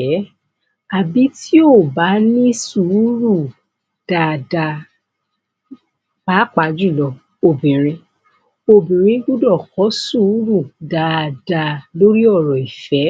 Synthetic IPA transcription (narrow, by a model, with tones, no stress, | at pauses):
a˨bi˨˦tʰi˦o˦˨ba˨˦nĩ˦su˨˦ɾu˦˨ | d̥a˨da˧ | ba˨˦k͡pa˧d͡ʒu˦˨lɔ˧ | o˨bĩ˨ɾ̃ĩ˧ | o˨bĩ˨ɾ̃ĩ˧˦ɡu˦dɔ˦˨kɔ˨˦su˦˨˦ɾu˦˨da˨da˧˨lo˦ɾi˦ɔ˦˨ɾɔ˨i˨fɛ˨˦